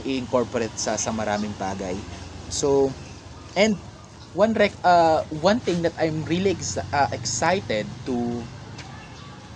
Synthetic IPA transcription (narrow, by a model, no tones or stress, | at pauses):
ɪʔɪŋkoɹpɔɾɛt̪̚sɐsɐmɐɾaːmɪŋbaːɡɐjso | ʔɛ̃nd̪̚ | wɐ̃nɾɛkɐwɐ̃nθɪ̃ŋd̪ɐt̪ajmɹiliɐʔɛksajt̪ɛd̪̚t̪u